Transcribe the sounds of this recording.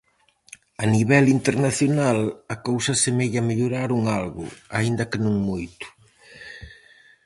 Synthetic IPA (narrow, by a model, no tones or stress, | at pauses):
aniβɛlint̪eɾnaθjonalɐkowsɐsemeʎɐmeʎoɾaɾuŋalɣʊ̰aind̪ɐkɪnõŋmojt̪ʊ̥